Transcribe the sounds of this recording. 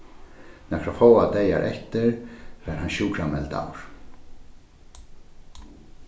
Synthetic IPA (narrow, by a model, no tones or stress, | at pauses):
nɛkɾafowad̪eja̰ɾʔɛ̰ht̪ɪɹfɛɾhanʃuːkʰɾamɛlt̪a̰wɾ̥